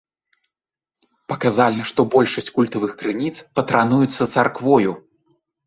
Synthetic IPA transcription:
pɐkazalʲnɐʂt̪ɔbɔlʲʂɐsʲt͡sʲkulʲt̪ɐvɨxkɾɨnʲit̪spɐt̪ɾanujut̪sːɐt̪sarkvɔju

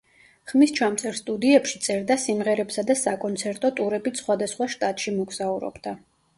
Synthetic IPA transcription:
χmist͡ʃʰamt̪sʰɛɾst̪ʼud̪iɛpʃit̪sʼɛɾd̪asimʁɛɾɛpsad̪asakʼɔnt̪sʰɛɾt̪ʼɔt̪ʼuɾɛbitsχwad̪asχwaʃt̪ʼat̪ʼʃimɔɡz̥auɾɔ̰bd̪a

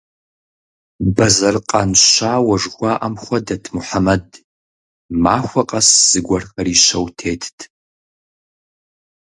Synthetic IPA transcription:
bɐzɐrqʼanʃʷaːwɐʐɡʷaʔɐmχʷɐdɐtʰmuħamɐd | maːxʷɐqʼɐsz̥ɨɡʷɐrxɐɾiːʃɐwtʰeːtʰtʰ

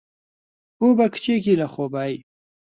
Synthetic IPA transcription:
ubakt͡ʃek̬ilaxobaj

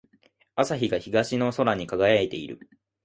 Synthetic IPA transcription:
asaçiɡaçiɡaɕino̞so̞ɾaɲ̟ikaɡajaet̪e̞ḭɾɯ̟̰

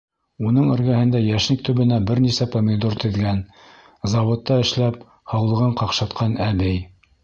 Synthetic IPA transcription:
unɤɴɘ̆ɾɡæhɘ̆nd̪æjæʃnɘk̚t̪ɵ̆βɘ̆næbɘɾnisæpomʲɪd̪oɾt̪ɘ̆ðɡæn | zɑwŏt̪ːɑɘ̆ʃlæp̚ | hɑwlˠɤ̆ʁɤɴqɑqʃɑt̪̚qʰɑnæbɘj

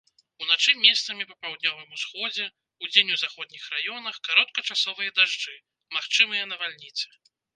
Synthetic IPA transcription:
unat͡ʂɨmʲɛst̪sɐmʲipɐpawd̪nʲɔvɨmusxɔd͡zʲɛ | ud͡zʲenʲuzaxɔd̪̚ʲnʲixɾajɔnɐxkaɾɔt̪̚kɐt͡ʂasɔvɨjɐd̪aʐd͡ʐɨ | maxt͡ʂɨmɨjɛnɐvalʲnʲit̪sɨ̥

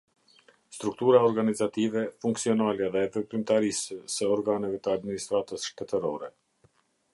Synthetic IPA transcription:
st̪ɾuk̚t̪uɾaɔɾɡanizat̪ivɛfuŋksiɔnalɛðɛːpəpɾimt̪aɾisəsəɔɾɡanəvɛt̪əad̪minist̪ɾat̪əsʃt̪ɛt̪əɾɔɾɛ

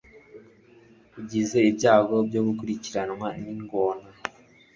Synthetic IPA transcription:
iɟizeibɟaːɡo̞bɟoːɡukuɾiciɾanwaniŋɡoːna

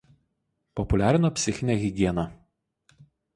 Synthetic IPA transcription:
pɔpʊlʲæːɾʲɪnoːpʲsʲɪxʲɪnʲɛɣʲɪɡʲiɛnɐ

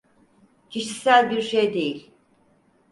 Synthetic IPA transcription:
cʰiʃi̥sælʲbiɾʃejd̪e̞jilʲ

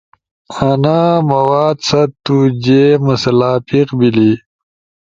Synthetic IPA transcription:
anaːmɐwaːd̪sɐt̪ːud͡ʑemusɐlaːpiqbili

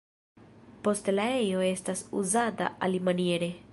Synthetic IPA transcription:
po̞stlae̞jo̞e̞stasuzata̰ʔalimanie̞ɾe̞

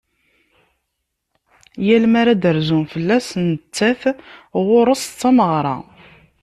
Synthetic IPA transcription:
jælmaɾad̪əɾzumfəlːæsnət͡sːæθʁʊɾˤəst͡st͡sːɑməʁɾˤɑ̰

